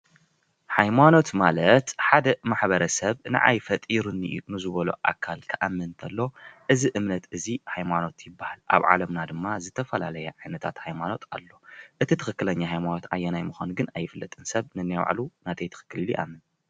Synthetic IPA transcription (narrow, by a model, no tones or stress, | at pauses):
hajmano̞t̪malɐt̪ħad̪ɐmaħbɐɾɐsɐβnɨ̰ʔa̰jfɐt̪ʼiɾunːɨ̰ʔunɨzɨβɐlo̰ʔa̰kʰːalkʰɨʔamːɨnt̪ʰɐlːo̞ʔɨziʔɨmnɐt̪ɨzihajmano̞t̪jɪbːahalʔa̰βʕa̰lɐmnad̪ɨmːazɨt̪ʰɐfɐla̰lɐjɐʕajnɐt̪ʰa̰t̪hajmano̞t̪ʰalːo̞ʔɨt̪ʰit̪ʰɨxɨkːɨlɐɲːaɦajmano̞t̪ajːɛnajmɨxʷanɡɨnajːɪfɨlːɐt̪ʼɨnsɐβnɨnːajw̰ʕ̰lunat̪ʰɐjt̪ʰɨ̥xɨ̥kːɨliljiʔa̰mːɨn